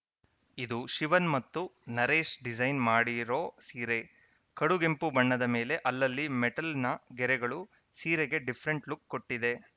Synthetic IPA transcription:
id̪uʃiʋɐnmɐt̪ːunɐɾe̞ːʂɖid͡ʒɐjnmaːɽiɾo̞ːsiːɾe̞ | kɐɽuɡempubɐɳːɐd̪ɐme̞ːle̞ʔɐlːɐlːimɛʈɐlnɐɡɛɾɛɡɐɭu | siːɾeɡe̞ɖipʰɐɾe̞ɳʈlukːo̞ʈːid̪e̞

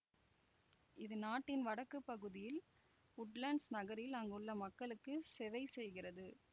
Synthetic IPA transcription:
ɪðɯnaːʈːɪnʋɐɽɐkːɯpːɐɣɯðɪjɪl | ʊʈlɐɳɖsnɐɣɐɾɪlɐŋɡɐɯɭːɐmɐkːɐɭɯkːɯsɛʋɐɪsɛjɣɪrɐðɯ

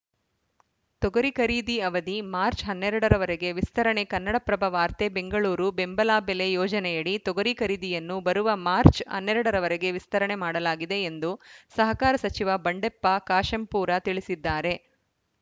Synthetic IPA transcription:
t̪ɔɡɐɾikɐɾiːd̪iɐʋɐd̪imaːɾt͡ʃɦɐnːɛɾɐɽɐɾɐʋɐɾeɡe̞ʋist̪ɐɾɐɳekɐnːɐɽɐpɾɐbʱɐʋaːɾt̪ebe̞ŋɡɐɭuːɾube̞mbɐlaːbelejɔːd͡ʒɐnɛjɐɽit̪ɔɡɐɾikɐɾiːd̪ijɐnːubɐɾuʋɐmaːɾt͡ʃhɐ̰nːɛɾɐɽɐɾɐʋɐɾeɡe̞ʋist̪ɐɾɐɳemaːɽɐlaːɡid̪e̞ːnd̪usɐɦɐkaːɾɐsɐt͡ʃiʋɐbɐɳɖepːɐkaːʃɐmpuːɾɐt̪iɭisid̪ːaːɾe̞

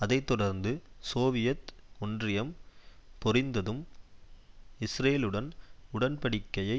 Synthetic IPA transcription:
ɐðɐɪt̪ːɔɽɐɾnd̪ɯsoːʋɪjɐt̪ɔndrɪjɐmpɔrɪnd̪ɐðɯm | ɪsreːlɯɽɐnʊɽɐnpɐɽɪkːɐjɐɪ

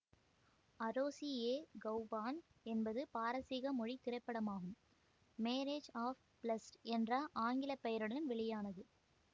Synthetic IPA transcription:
ɐɾoːsieːɡɐʊbaːn | ɛnbɐðɯpaːɾɐsiːɣɐmɔɻit̪ɪrɐɪpːɐɽɐmaːɣɯm | meːɾeːd͡ʒaːf | plɐsʈɛndraːʔaːŋɡɪlɐpːɐjɐɾɯɽɐɪɯnʋɪɭɪjaːnɐðɯ

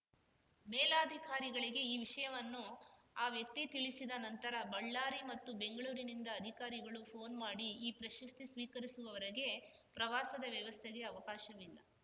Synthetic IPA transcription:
meːlaːd̪ʱikaːɾiɡɐɭiɡe̞iːʋiʂɐjɐʋɐnːu | aːʋjɐk̚t̪it̪iɭisid̪ɐnɐnt̪ɐɾɐbɐɭːaːɾimɐt̪ːube̞ŋɡɐɭuːɾinind̪ɐːd̪ʱikaːɾiɡɐɭupʰo̞ːnmaːɽiiːpɾɐʃɐst̪isʋiːkɐɾisuʋɐʋɐɾɐɡe̞ | pɾɐʋaːsɐd̪ɐʋjɐʋɐst̪ʰeɡe̞ɐʋɐkaːʃɐʋilːɐ̰

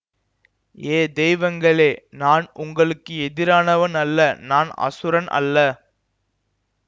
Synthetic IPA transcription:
eːd̪ɛjʋɐŋɡɐɭeːnaːnʊŋɡɐɭɯkːɯɛðɪɾaːnɐʋɐnɐlːɐnaːnɐ̰sɯɾɐnʔɐ̰lːɐ

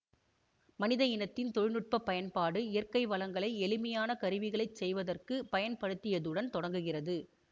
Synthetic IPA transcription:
mɐnɪðɐjɪnɐt̪ːɪnt̪ɔɻɪnɯʈ̚pɐpːɐjɐnpaːɽɯɪjɐrkɐɪʋɐlɐŋɡɐɭɐɪɛlɯmɐjaːnɐkɐɾɯʋɪɣɐɭɐɪt͡ʃːsɛjʋɐðɐrkɯpɐjɐnpɐɽɯt̪ːɪjɐðɯɽɐnt̪ɔɽɐŋɡɯɣɪrɐðɯ

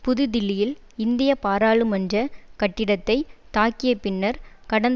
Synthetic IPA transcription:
pʊðɯd̪ɪlːɪjɪl | ɪnd̪ɪjɐpaːɾaːɭɯmɐnd͡ʒɐkɐʈːɪɽɐt̪ːɐɪt̪aːkɪjɐpɪnːɐɾkɐɽɐn

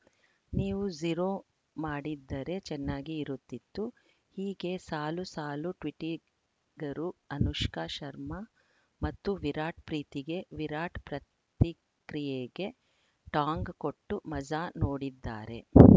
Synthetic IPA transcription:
niːʋud͡ʒiɾoː | maːɽid̪ːɐɾe̞t͡ʃɛnːaːɡiːɾut̪ːit̪ːu | hiːɡe̞saːlusaːluʈʋiʈi | ɡɐɾuɐnuʃkaːʃɐɾmɐ | mɐt̪ːuʋiɾaːʈ̚pɾiːt̪iɡe̞ʋiɾaːʈpɾɐt̪i | kɾijeːɡe̞ | ʈaːŋɡko̞ʈːumɐd͡ʒanoːɽid̪ːa̰ːɾe̞̰

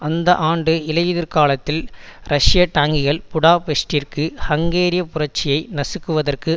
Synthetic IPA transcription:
ɐnd̪ɐʔaːɳɖɯɪlɐʋɪðɪɾkaːlɐt̪ːɪlɾʔɐʂɪjɐʈaːŋɡɪɣɐɭpʊɽaːpɛsʈɪrkɯhɐŋɡeːɾɪjɐpʊrɐʈ̚t͡ʃːɪjɐɪnɐsɯkːɯʋɐðɐrkɯ

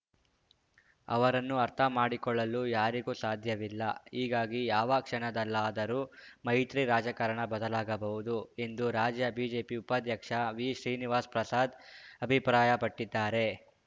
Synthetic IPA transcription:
ɐ̰ʋɐɾɐnːuɐɾt̪ʰɐmaːɽikɔɭːɐlujaːɾiɡuːsaːd̪ʱjɐʋilːɐ̰ɦiːɡaːɡijaːʋɐkʂɐɳɐd̪ɐlːaːd̪ɐɾuːmɐjt̪ɾiɾaːd͡ʒɐkɐɾɐɳɐbɐd̪ɐlaːɡɐbɐɦud̪ue̞nd̪uɾaːd͡ʒjɐbiːd͡ʒe̞ːpiupɐd̪jɐkʂɐʋiːʃɾiːniʋaːspɾɐsaːd̪ɐbʱipɾaːjɐpɐʈːid̪ːaːɾe̞

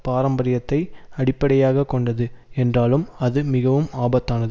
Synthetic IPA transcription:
paːɾɐmbɐɾɪjɐt̪ːɐɪɐɽɪpːɐɽɐjaːɣɐkːɔɳɖɐðɯɛndraːlɯmɐðɯmɪɣɐʋɯmaːbɐt̪ːaːnɐðɯ

